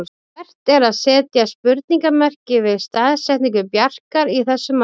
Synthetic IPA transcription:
ɛr̥t̪ɛɾaðsɛːt̪jaspʏɾt̪niŋkamɛr̥cɪvɪðst̪aːðsɛht̪niŋkʏpjar̥kaɾiθɛsːʏma

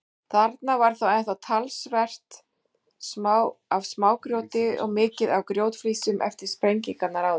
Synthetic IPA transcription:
θaɾt̪navaɾ̥θawajnθawt̪ʰalsvɛr̥t̪ | smawavsmaːwkɾjowt̪ɪɔ̰ɣmɪːcɪðawkɾjowt̪fliːsʏmʔɛ̰ft̪ɪɾ̥spɾejɲciŋkat̪naɾawð

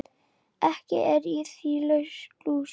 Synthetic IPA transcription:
ɛhcɪ̰ʔɛɾiθilœsklu

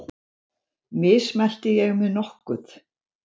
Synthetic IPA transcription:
mɪsmɛl̥t̪ɪjɛɣmɪðnɔhkʏθ

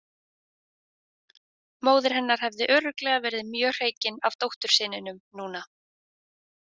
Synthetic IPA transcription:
moːwðɪɾ̥ɦɛnːaɾ̥hɛvðɪʔœːɾʏklɛɣavɛːɾɪðɪmjœːr̥eːjcɪnav̥t̪owht̪ʏɾ̥sɪːnɪnʏmnuːna

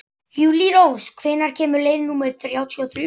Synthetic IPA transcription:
hjuːliɾowskʰvɪːnaɾ̥cʰɛːmʏɾleːjðnuːmɛɾ̥θɾjaːwt̪ʰiɔθɾ

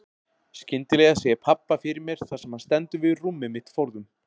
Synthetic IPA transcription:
scɪnt̪ɪlɛːɣasɛɛpʰapːafɪɾɪɾmjɛɾ̥θasɛmhanst̪ɛnt̪ʏvɪðrumːɪmɪht̪fowɾðʏm

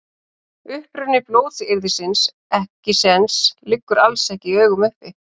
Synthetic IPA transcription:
ʏhpɾʏnːɪploːwθɪɾðɪsɪns | ɛhcɪsɛnslɪkːʏɾalsɛhcɪœːɥɣʏmʏhpɪ

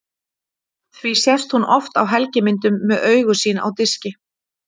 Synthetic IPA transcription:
θvisjɛst̪hunɔft̪awɦɛlcɪmɪnt̪ʏmːɛðœːɥɣʏsiːnaa̰wt̪ɪscɪ

